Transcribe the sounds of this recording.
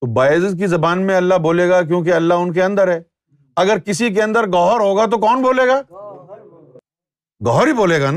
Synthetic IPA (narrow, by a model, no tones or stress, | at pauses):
t̪obaːɪzk̬izɐbaːnmẽɐlːaɦboːleːɡak̬jõːk̬eɐlːaɦʊnk̬eɐ̃nd̪əɾɦɛː | ɐɡəɾkɪsik̬eɐ̃nd̪əɾɡɔːɦɾɦoːɡat̪okɔːnboːleːɡaː | ɡɔɦɾɦiboːleːɡan